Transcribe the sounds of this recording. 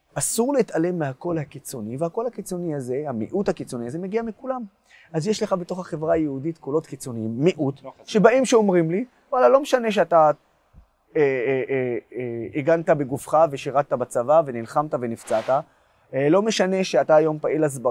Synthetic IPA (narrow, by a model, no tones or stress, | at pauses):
ʔasuʁleit̪ale̞mːeɦako̞lhakit͡so̞nivehako̞lhakit͡so̞niaze̞hamḭʔuthakit͡so̞niaze̞meɡiamikulam | azjeʃleχabeto̞χaχevʁajeudit̪kolo̞tkit͡so̞niimːiʔutʃe̞baʔimʃeo̞mʁimli | valalo̞meʃane̞ʃ̬eata | e | iɡantabeɡufχaveʃiʁat̚t̪ːabat͡savavenilχamt̪ave̞nift͡sata | elo̞me̞ʃane̞ʃeataːjo̞mpaʔilazba